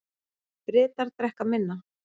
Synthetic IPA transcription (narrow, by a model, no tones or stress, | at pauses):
pɾɪːt̪aɾ̥t̪ɾɛhkamɪnːa